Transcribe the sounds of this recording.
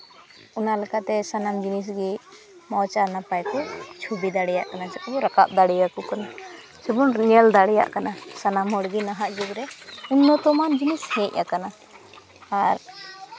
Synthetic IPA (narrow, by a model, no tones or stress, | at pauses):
ɔnalɛkat̪ɛsanamd͡ʒinis̬ɡi | mɔt͡ʃanapajkɔt͡ʃʰubid̪aɽɛja̰ʔkanad͡ʒɛkbɔɾaka̰p̚d̪aɽɛjakukana | sibunɲɛld̪aɽɛja̰ʔkanasanamɦɔɽɡinaɦaʔd͡ʒuɡɾɛunːɔt̪ɔmand͡ʒinishɛ̃c̚ʲˀʔakana | aɾ